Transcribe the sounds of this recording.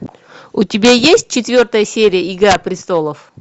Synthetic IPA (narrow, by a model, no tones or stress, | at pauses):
ʊtʲɪbʲajesʲt̚ʲt͡ɕɪt̪vʲo̞rt̪əjəsʲeɾʲɪjəɪɡapɾʲɪst̪o̞lˠəf